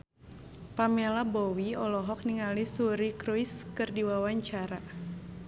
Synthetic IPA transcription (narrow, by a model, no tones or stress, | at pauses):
pamelabɔwiɔlɔɦɔk̚niŋalisuɾikɾuiskɨrdiwawaɲt͡ʃaɾa